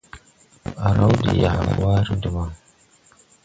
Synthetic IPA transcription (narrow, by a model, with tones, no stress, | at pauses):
a˨ɾa˦wdḭ˨ja˨kwa˦ɾi˦di˨ma˨